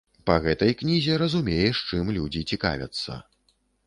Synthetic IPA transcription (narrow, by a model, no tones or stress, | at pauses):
pɐɣɛt̪ɐjknʲizʲɛɾɐzumʲejɛʂt͡ʂɨmlʲud͡zʲit͡sʲika̰vʲɐ̰t̪sːɐ̰